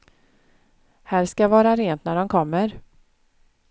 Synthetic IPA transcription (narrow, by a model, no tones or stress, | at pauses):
hæːɾskaavɑːɾaɾeːnt̪næɖɔnkʰɔmːəɾ